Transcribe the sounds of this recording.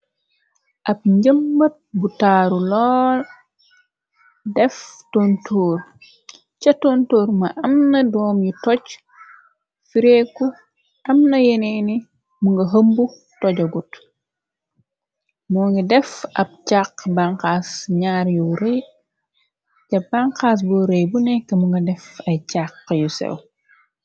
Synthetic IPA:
ʔɐp̚ɲɟəmbɐt̚butaːɾulɔːl | dɛftontʰoːr | t͡ʃɐtontoːɾmɐʔɐmnɐdɔːmjitɔc | fiɾɛkːu | ɐmnɐjeneni | muŋɡɐɦəmbu | tɔɟɐɡut | mɔːŋɡɐdɛfɐp̚caqbaŋqaːsɲaːɾjuɾɛj | cɐbaŋkaːs̬buɾɛjbunɛkːɐmuŋɡɐdɛfɐjcaqːjusɛ̰w

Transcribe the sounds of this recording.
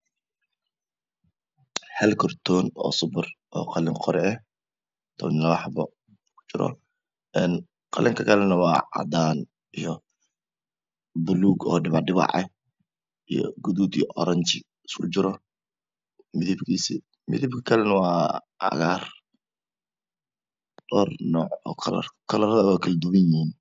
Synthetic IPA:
hɛlkʰɔrt̪ʰɔːnɔ̰ːsʊbɐrʔɔːqɑlɪŋqʰɔɾɛɛ | t̪ʰɔwnɪlɐlɑħɑbɔ | kʰʊ̥t͡ʃɪɾɔ̰ | ʔɛn | qɑlɪŋkʰɐkʰɐlɛnɐwɑːɑ̰d̪aːn | ijɔ | bʊluːɡɔ̰ːɖɪβɑʕɖɪβɑ̰ʕɛ | ijɔ̰ɡuðuːd̪ḭjʔɔɾɐɲt͡ʃɪ | skʰʊt͡ʃɪɾɔ | mɪðibkʰiːsi | mɪ̰ðib̚kʰɐkʰɐlɛnɐwɑː | ʔɑ̰ɣaːr | dɔːrnɔːʕɔːkʰɐlɐ̰rkʰɐlɐɾðɐwɛkʰɐld̪uwɪniːn

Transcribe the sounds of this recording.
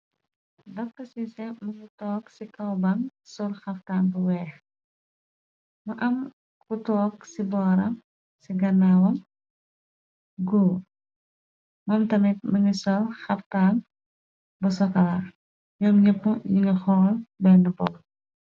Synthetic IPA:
dɐfkɐsisɛmɐŋitɔːksikɐwbɐŋsɔlxɐftaːnbuwɛːx | mɐʔɐm | kutɔːksibɔːɾɐm | siɡɐnːawɐm | ɡuː | mɐmtɐmit̚mɐŋisɔlxɐftaːn | busɔkɐla | ɲɔːmɲəpːujiŋɡɐxɔːlbɛnɐbɔl

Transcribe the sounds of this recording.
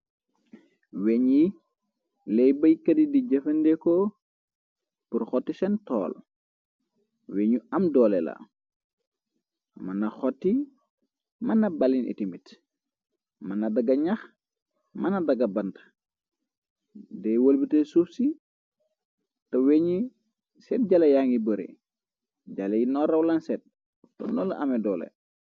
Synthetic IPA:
weɲi | lɛjbɐjkɐdidiɟɐfɐndɛkɔ | purxɔtːisɛntɔ̰ːl | weːɲuɐmdɔːlɛla̰ | mɐnɐxɔtːi | mɐnɐbɐlinḭtimit | mɐnɐdɐɡɐɲax | mɐnɐdɐɡɐbɐntɐ̥ | dɛwɐlbitesufsi | tɐweːɲi | sɛt̚ɟalɐjaŋibəɾḛ | ɟalɐjinɔɾɐwlansɛt̚ | tɔ̰nɔlɐ̰ʔɐmɛdɔːlɛ̰

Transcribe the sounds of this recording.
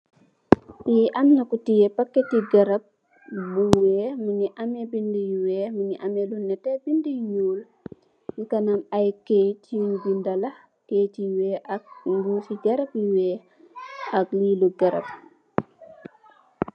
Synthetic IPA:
jiʔamɲakutijɛpakːɛtiɡɐɾɐp̚ | buwɛːmuɲiʔamɛbindəjwɛːmuɲiʔamɛlunːɛtɛbindəjɲuːl | jukɐnamajketʰiuɲbindɐlɐh | ketiwɛːʔak̚ŋɡusiɟɐɾɐpjiwɛː | akliːluɡɐɾɐ̰p̚

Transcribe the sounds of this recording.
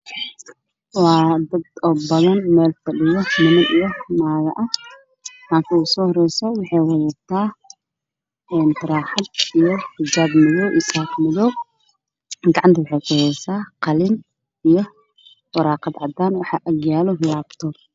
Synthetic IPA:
wɑːd̪ɐd̪ɔbɐðɐnmɛːlfɐɖɪjɔmɪmɐnijɔmaːɣɐ̰ʔɐh | haːŋkʰɐusɔːhɔɾɛjsɔwɑħɛjwɐðɛt̪ʰaː | ɛːnt̪ɪɾaːħɑd̪̚ijħɪd͡ʒaːbmɪðɔwʔisaːqmɪðɔw | ɡɑʕɑnt̪ʰɐwʊħɛjkʰʊɛsaːqɑlɪn | ijɔ | wɐɾaːqɑd̪ʕɑd̪aːnwɑħɑʔɐɣjaːlɔlaːbt̪ʰɔːl

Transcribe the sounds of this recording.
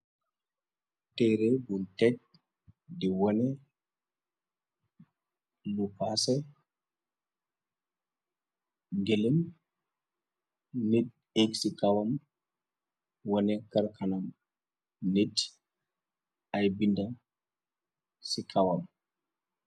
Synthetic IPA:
tɛɾɛbuntɛt̚ | dɛwɔnɛ | lupasɛ | ɡelem | nit̚ | eksikawam | wɔnɛkaɾkʰanam | net | ajbinda | sikʰawam

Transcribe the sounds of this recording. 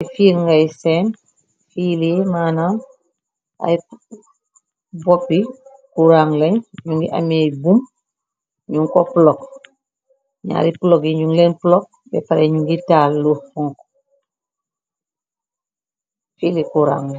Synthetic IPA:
fiːlŋɡajseːn | filimaːnam | a̰j | bopːi | kuɾaŋleɲɲuŋɡiʔa̰mebum | ɲuŋkopulok | ɲa̰ːɾipulokjiɲuŋlenpulok̚bɛ̰paɾeɲuŋɡitalːufuŋko̥ | filikuɾa̰ːŋ

